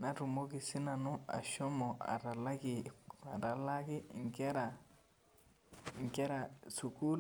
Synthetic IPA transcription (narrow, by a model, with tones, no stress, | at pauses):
na˨ɾu˨mo˦ɡi˨si˦na˨nu˦a̰˨ʃɔ˦mɔ˨a̰˨ɾa˨la˦ɡi˨a˨ɾa˨la˦kɪ˦ŋ̩kɛ˦ɾa˨ | ŋ˨kɛ˦ɾa˨su˨ku˦l